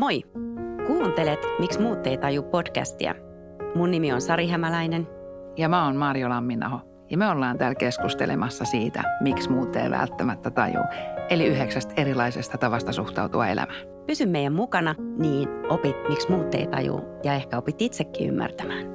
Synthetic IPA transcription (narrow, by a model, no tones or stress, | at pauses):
mojkuːnt̪elet̪miksmuːt̪ːeit̪ɑjuppod̥kæ̰st̪ḭæ̰ | munnimionsɑɾiɦæmælæinen | jɑmæonmɑːrjolɑmːinːɑ̰ho | jɑmøolːɑːnt̪æːlkeskust̪ḛlḛmɑsːɑsiːt̪æ̰miksmuːt̪ːḛiʋæ̰lt̪ːæmæt̪ːæt̪ɑjṵːeliyɦeksæst̪erilɑisest̪ɑt̪ɑʋɑst̪ɑsuht̪ɑut̪uɑ̰ḛlæ̰mæ | pysymːeijæmmukɑnɑniːnʔopit̪miksmuːt̪ːḛit̪ɑ̰jṵːjɑehkæopit̪ːit̪sekːḭːy̰mːæ̰rt̪æmæːn